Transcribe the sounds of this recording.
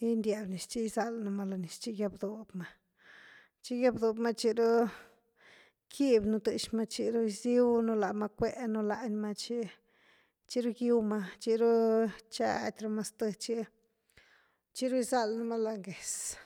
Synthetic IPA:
i˦nd̪ʲa˨bni˨st͡ʃi˦˧za˧lna˧ma˧la˨ni˨st͡ʃi˦ɡja˧bd̪o˨bma˧ | t͡ʃi˦ɡja˦bd̪o˨bma˦t͡ʃi˧ɾu˦ | kʰi˦bnu˧d̪ɨ˨ʃma˧t͡ʃi˧ɾu˦jzi˦wnu˧la˨ma˧kʷe˦ʔnu˧la˧ʔnʲma˧t͡ʃi˦ | t͡ʃi˧ɾu˦ɡji˦˧wma˧t͡ʃi˧ɾu˦t͡ʃa̰˧t̪ʲɾa˧ma˧st̪ɨ˧t͡ʃi˦ | t͡ʃi˦ɾu˦jza˦lna˦ma˦la˧˨ŋɡe˨s

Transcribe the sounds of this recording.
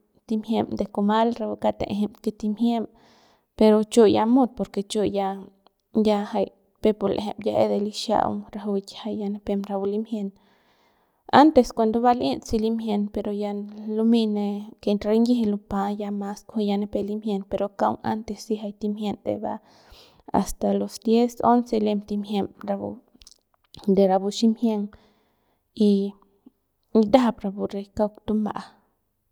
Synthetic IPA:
t̪i˧mhje˧md̪e˧ko˧ma˦lɾa˧bu˧ka˧t̪ḛ˨ʔɦe˧mke˧t̪i˧mje˦m | pe˧ɾo˧t͡ʃo˧ja˧mo˦d̪̚po˧ɾke˧t͡ʃo˧ja˧ | ja˧ha˧j | pe˧po˧lʔɦḛ˧mja˧ʔḛ˦d̪e˧li˦ʃja̰˧w̰ɾa˧ɦu˧tʲha˧jja˧ne˧pe˧mɾa˧u˧li˦mhje˧n | a˦nt̪e˧skʷa˧nd̪o˧βa˧lʔi˦nt͡si˧li˦mje˧npe˧ɾo˧ja˧lu˧mi˧ne˧ke˧nɾe˧˦ŋɡi˦e˧lu˧pa˧ja˧ma˧skʷe˧ja˧ne˧pe˧li˦mhje˧npe˧ɾo˨ka˦w̰ŋa̰˦nt̪e˧si˧ɦa˧jt̪i˧mhje˧nd̪ḛ˨ba̰˧ | a̰˨st̪a˨lo˨sd̪je˦so˦nse˧le˧mt̪i˧mɦje˧mɾa˧bṵ˧˨ | d̪e˨ɾa˧bu˧ʃi˦mhje˧ŋ | i˧ | d̪a˦a˧pɾa˨bu˨ɾe˧jka˦˧kt̪u˧mba̰˨ʔa˧

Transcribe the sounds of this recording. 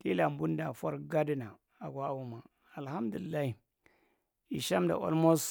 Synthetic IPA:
ti˦la˨mbu˦nda˨fa˦ɾɡa˦di˦na˨ | a˨ɡwa˦˨wu˦ma˨ | a˨lha˦mdu˨li˨lːa˦hi˨ | i˨ʃa˦mda̰˨ʔo̰˦lmo˦s

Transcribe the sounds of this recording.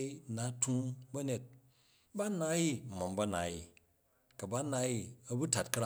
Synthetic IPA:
i˦na˨tʰũ˦bɐ˦ne˨t̚ | ba˦na˦ji˦˨mo˨mbɐ˦na̰˨ji˨ | kɐ˨ba˦na˧˦ji˦ɐ˦bu˦ta˨t̚kɐ˦ɾa˦

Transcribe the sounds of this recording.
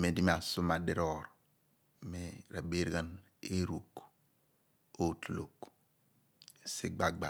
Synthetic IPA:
me˨di˦m˦a˨su˦ma˨di˦ɾo˨ɾ | me˦ɾa˨be˦ɾɡa˦n | e˦ɾu˨k | o˦tu˨lo˨k | si˦ɡ͡ba˨ɡ͡ba˨

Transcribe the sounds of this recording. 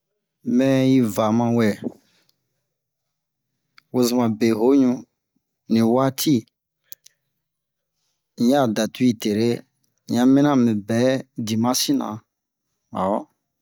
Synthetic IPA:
mɛ̃˦ji˦va˨mã˧wɛ˨ | wo˦zi˨mã˨be˨ɦo˨˦ɲũ˦ | nĩ˨wa˦tʰi˦˨ | ɲã˦˨da˨tu˦i˨te˨ɾe˦ | ɲã˦mĩ˦nã˦˨mɛ̃˨bɛ˨˦di˨mã˦si˦nã̰˨ | a˨˦

